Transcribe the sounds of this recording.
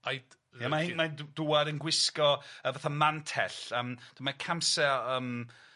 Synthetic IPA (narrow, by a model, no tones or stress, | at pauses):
aj | jamaɪmaduːadənɡwɪskɔəvaθamantʰɛɬəmd̥əmakʰamsɛəːm